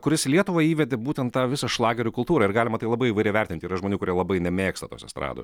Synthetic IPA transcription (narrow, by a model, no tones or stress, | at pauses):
kʊɾʲɪslʲiɛt̪ʊʋɐiːʋʲɛd̪ʲɪbuːt̪ʲɛnt̪t̪ɑːʋʲɪsɐʃlˠɑːɡʲɛɾʲʊːkʊlˠt̪uːɾɐɪɾɡɑːlʲɪmɐt̪ɐɪlˠɐbɐɪiʋɐɪɾʲɛɪʋʲɛt̪ʲɪnʲt̪ʲiːɾɐʒmoːnʲuːkʊɾʲiɛlˠɐbɐɪnʲɛmʲeːkst̪ɐto̰ːsʲɛ̰st̪ɾɑ̰ːd̪o̰s